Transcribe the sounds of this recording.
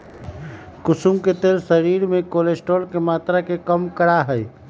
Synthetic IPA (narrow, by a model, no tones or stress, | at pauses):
kʊsumket̪eːlsəɾiːɾmẽkoːlesʈoːlkemaːt̪ɾakekəmkəɾaɦɛj